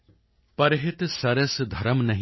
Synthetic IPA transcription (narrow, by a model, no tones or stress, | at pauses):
pɐɾɦɪt̪sɐɾəsd̪ʱɐɾəmnɐɦ